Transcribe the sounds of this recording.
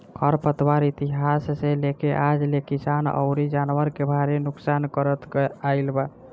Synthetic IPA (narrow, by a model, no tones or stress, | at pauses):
kʰəɾpət̪waɾit̪iɦasːelekeʔad͡ʒlekisanɔ̰ʊɾid͡ʒanwəɾkebʱaɾenuksankəɾət̪ɡailba